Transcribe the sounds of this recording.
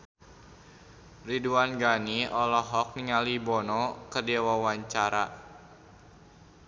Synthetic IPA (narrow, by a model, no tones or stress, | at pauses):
riduanɡaniɔlɔɦɔk̚niŋalibɔnɔkərdiawawaɲt͡ʃaɾa